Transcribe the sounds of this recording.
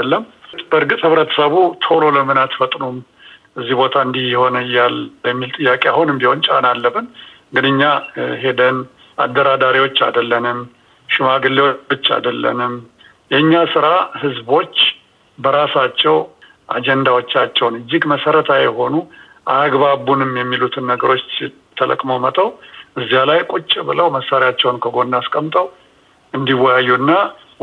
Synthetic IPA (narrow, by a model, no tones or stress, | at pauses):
əlːəmt̪bəɨɾɡɨt̪hɨβɾət̪ʰə̥səβut̪ʰo̞lo̞ləmɨnat̪fət̪ʼnum | ʔɨzːibo̞t̪ʰaɨnd̪ihjɪho̞nɨɨjːalbəmːilt̪ʼɨjːakʼeahunɨmbiho̞nt͡ʃʼa̰nalːəbɨn | ɡɨnɨɲːaɦe̞d̪ən | a̰d̪ːəɾad̪aɾiwo̞t͡ʃːa̰d̪əlːənɨm | ʃɪmaɡɨlːewobɨt͡ʃːa̰d̪əlːə̰nɨm | jɛɲːasɨɾahɨzbo̞t͡ʃː | bəɾasat͡ʃːɛw | ʔa̰d͡ʒɛnd̪awo̞t͡ʃːat͡ʃːɛwnɨd͡ʒːɪɡməsəɾət̪ʰajɛɦo̞nu | ʔa̰ɡβaβunɨmjɛmːilut̪ʰɨnːəɡəɾo̞t͡ʃː | t̪ʰːələ̰kʼmomət̪ʼəwʔɨzːijalajkʼut͡ʃʼːɪbɨləwməsːaɾijat͡ʃːɛwnkʰəɡo̞nːaskʼəmt̪ʼəw | ɨnd̪iwːɔjajːuɨnːa